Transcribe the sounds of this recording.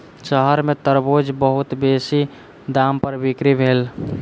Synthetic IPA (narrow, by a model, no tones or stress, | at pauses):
t͡ʃəɦəɾmet̪əɾbod͡ʒbəɦut̪besi | d̪ampəɾbikɾibʱeːl